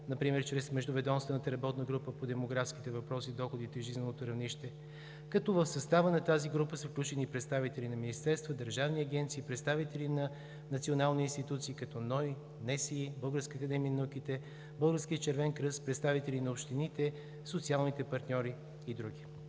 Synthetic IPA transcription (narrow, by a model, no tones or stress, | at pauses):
nɐpɾimɛɾt͡ʃɾɛsmɛʒd̪ʊvɛd̪ɔnst̪vənət̪əɾɐbɔt̪nəɡɾupəpod̪ɛmoɡɾafskit̪ɛvɐpɾɔsid̪ɔxod̪it̪ɛʒizvɛnot̪oɾɐvniʃt̪ɛ | kɐt̪ɔvəfsɐst̪avənɐt̪aziɡɾupəsəfklʲut͡ʃɛniːpɾɛt̪st̪avit̪ɛlʲinɐminist̪ɛɾst̪vəd̪əɾʒavniɐɡɛnt̪siːpɾɛt̪st̪avit̪ɛlinɐ | nɐt̪sionalˠniinst̪it̪ut̪siːkɐt̪ɔnɔj | nɛsiibɤlˠɡəɾskəːkɐd̪ɛmiənɐuk̟it̪ɛ | bɤlˠɡəɾskʲiət͡ʃɛɾvɛnkɾɤspɾɛt̪st̪avit̪ɛlʲinɐopʃt̪init̪ɛ | sot̪sialˠnit̪ɛpɐɾt̪nʲɔɾiː | d̪ɾuɡi